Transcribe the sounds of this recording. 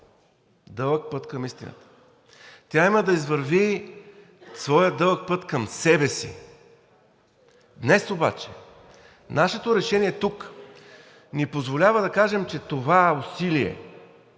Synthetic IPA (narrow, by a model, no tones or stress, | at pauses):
d̪ɤlˠək̚pɤt̪kəmist̪ḭnə̰t̪ə̥ | t̪ʲjaiməd̪ɐizvəɾvi | svɔjəd̪ɤlˠək̚pɤt̪kəmsɛbɛsḭ | d̪nɛsoba̰t͡ʃɛ̰ | naʃɛt̪oɾɛʃɛniɛt̪uk | nipozvolʲavəd̪ɐkaʒɛmt͡ʃɛt̪ovaɛʊsiliɛ̰